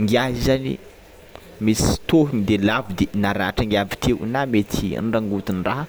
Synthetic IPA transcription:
ŋɡiaɦizanḭ | misi̥t̪oɦimid̪elavid̪enaɾaʈ͡ʂaŋɡiavit̪ʰewnamet̪ʰḭnɖ͡ʐaŋɡut̪inraɦ

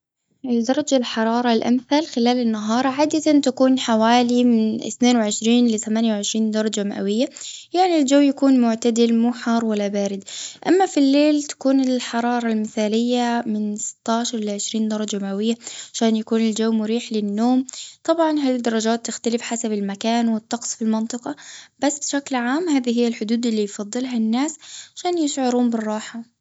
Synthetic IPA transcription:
ʔɪld̪ɑɾˤɑd͡ʒalħɑɾˤɑːɾˤɑlʔa̰mθaːlxɪlaːlɪnːaɦɑːɾˤʕaːd̪at̪ant̪akuːnħawaːlimɪnɪ̰θneːnwʕɪʃɾiːnlɪt̪amaːnjawʕɪʃɾiːnd̪ɑɾˤɑd͡ʒamaʔawɪjːajaʕnild͡ʒawːjakuːnmʊʕt̪ad̪ɪlmuːħɑːɾˤwalːabaːɾɪd̪ʔamːafilːeːlt̪ḁkuːnɪlħɑɾˤɑːɾˤɑlmɪθaːlɪjːamɪnsɪ̥t̪ːaːʃɑɾˤʔɪlaʕɪʃɾiːnd̪ɑɾˤɑd͡ʒamaʔawɪjːaʕʕaʃaːnjakuːnɪld͡ʒawːmʊɾiːħlɪnːoːmt̪ˤɑbʕɑnɦald̪ːɑɾˤɑd͡ʒaːt̪ːɪxt̪alɪfħasabɪlmakaːnwɪt̪ːɑqsˤfilmɑnt̪ˤɨqɑb̥asːbɪʃaklʕaːmɦaːðiɦɪjːalħʊd̪uːd̪ʔɪlːijfɑðˤːɨlɦanːaːsʕaʃaːnjɪʃʕʊɾuːmbɪrˤːɑːħa

